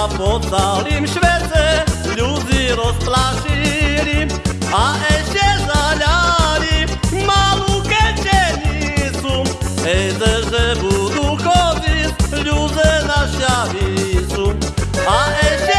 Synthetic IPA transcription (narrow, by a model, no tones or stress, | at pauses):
pɔsalimɕvɛt͡sɛ | ʎud͡ziɾɔsplaʃilʲi | aʔɛʃcɛzaʎalʲi | malukɛt͡ɕɛɲit͡su | ɛjzɛzɛbud̪ukɔd̪iʎʲuzɛnaʃavisuaʔɛʃɛ